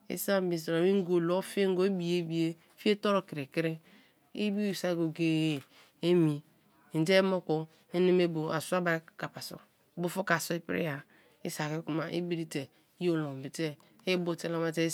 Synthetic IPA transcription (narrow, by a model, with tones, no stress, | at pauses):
ḭ˦sa˦bi˨s̬ɾo˨i˦ŋ˦ɡo˨lo˦fi˦e˦ŋ˦ɡo˦e˦bi˨je˦bi˨je˦fi˦e˦to˦ɾo˦ki˨ɾe˨ki˦ɾe˦ | i˦bi˦˨sa˦ɡo˨ɡe˨je˨ | e˦mi˨ | te˦mo˦ko˦ | e˦ne˦me˦bo˨a˨su˦a˦ba˨˦ka˨pa˨so̰˨˦ | bo˦fo˦ka˨so˦i˦pḭ˦ɾḭ˦ja˨ | i˦sa˨ke˦ku˦ma˨ʔḭ˦bi˦ɾi˦te˨˦ | jo˦lo˨m˨bi˨te˦ | e˦bo˦˨te˦la˦ma˦te˦